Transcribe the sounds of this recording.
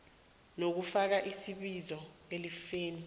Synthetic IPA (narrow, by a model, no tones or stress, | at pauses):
nok̬ufak̬aʔisiɓizɔelifeːni